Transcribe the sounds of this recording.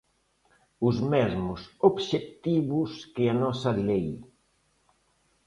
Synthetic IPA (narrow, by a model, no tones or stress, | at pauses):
ʊzmɛzmʊsobʃekt̪iβʊskɪanɔsɐðlej